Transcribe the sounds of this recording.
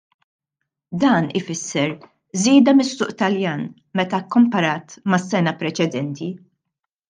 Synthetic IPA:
d̪ɐːnɪfɪsːɛɾ | ziːd̪ɐmɪsːʊːʔt̪ɐljɐːn | mɛt̪ɐkːʊmpɐɾɐːt̪mɐsːɛnɐpɾɛt͡ʃɛd̪ɛnt̪i

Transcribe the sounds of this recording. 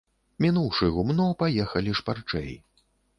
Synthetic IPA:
mʲinuwʂɨɣumnɔpajɛxɐlʲiʂpart͡ʂɛ̰j

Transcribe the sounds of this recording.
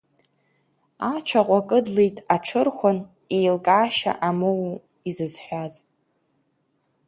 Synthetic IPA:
at͡ʃʷʰaqʷʼakʼɨdlejtʼaʈ͡ʂʰɨrχʷʊn | ejlkʼaːʃa̰ʔamow | izɨzħʷᶣaz

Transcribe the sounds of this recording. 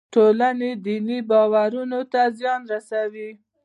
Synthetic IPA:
ʈolaned̪inibɑwaɾunot̪azjɑnɾasawi

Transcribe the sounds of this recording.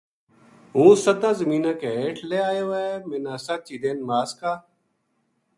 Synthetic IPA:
ɦũːsət̪ãːzəmiːnãːkeːeːʈʰleːaːjoːɛːmẽːnãːsaːt͡ʃiːd̪eːnmaːskaː

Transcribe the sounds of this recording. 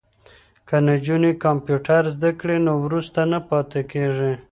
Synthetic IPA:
kanad͡ʒunikɑmpjuʈaɾzd̪akɽenowɾust̪anapɑt̪ekeʐi

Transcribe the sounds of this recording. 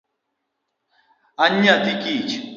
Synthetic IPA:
aɲatikit͡ʃ

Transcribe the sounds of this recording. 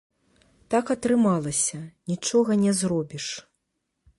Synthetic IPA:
t̪akɐt̪ɾɨmalˠɐsʲɐnʲit͡ʂɔɣɐnʲɛzrɔbʲiʂ

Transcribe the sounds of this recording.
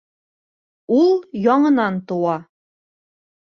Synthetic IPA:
ulˠjɒɴɤ̆nɑnt̪ŏwɑ

